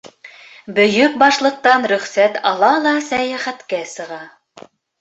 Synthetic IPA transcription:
bɵ̆jɵk̚bɑʃlˠɤ̆q̚t̪ɑnɾɵ̆χsæt̪ɑlˠɑlˠɑsæjæχæt̪kæsɤ̆ʁɑ

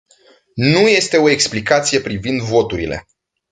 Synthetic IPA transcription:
nuje̞st̪e̞o̞e̞ksplikat̪sije̞pɾivind̪vo̞t̪uɾile̞̰

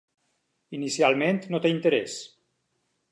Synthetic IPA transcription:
inisialˠment̪not̪eint̪eɾes

